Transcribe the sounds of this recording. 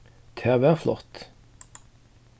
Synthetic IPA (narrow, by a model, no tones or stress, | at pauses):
t̪ʰæːʋæːʁflɔ̰ʁt̪